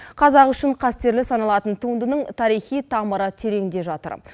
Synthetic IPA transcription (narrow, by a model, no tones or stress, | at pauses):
qʰɑzɑqʏʃɪɴqʰɑst̪e̞ɾlɪsɑnɑlˠɑt̪ənt̪ʰund̪ənəɴt̪ʰɑɾijχijt̪ʰɑməɾət̪ʰe̞ɾe̞ŋd̪e̞ʒɑt̪ə̰ɾ